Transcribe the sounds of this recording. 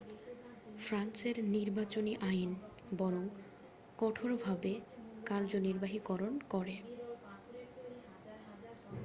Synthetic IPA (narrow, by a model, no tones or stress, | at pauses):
fɾanseɾniɾbat͡ɕoniʔajn | bɔɾoŋ | kɔʈʰoɾbʱabekaɾd͡ʑoniɾbaɦikɔɾonkɔɾe